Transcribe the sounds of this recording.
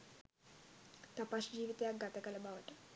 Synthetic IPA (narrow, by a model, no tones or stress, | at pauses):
t̪apaʃd͡ʑiːʋit̪ejaɡat̪ɐkəlɐbaʋəʈ